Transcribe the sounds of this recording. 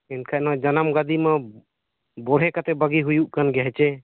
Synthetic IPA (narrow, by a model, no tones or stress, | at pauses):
ɛnkʰaʔnad͡ʒanamɡad̪ima | bɔɽɦɛkat̪ɛbaɡiɦujuʔkanɡɛɦɛt͡ʃɛ